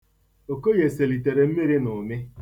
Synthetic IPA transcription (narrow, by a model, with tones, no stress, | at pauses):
o˨ko˦je˨se˨li˨te˨ɾe˨m̩˦me˦ɾi˦nʊ˨mɪ˦